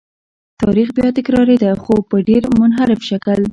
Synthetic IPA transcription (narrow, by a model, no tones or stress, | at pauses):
t̪ɑɾixbjɑt̪ɪkɾɑɾed̪axopəɖeɾmʊnɦaɾɪfʃakəl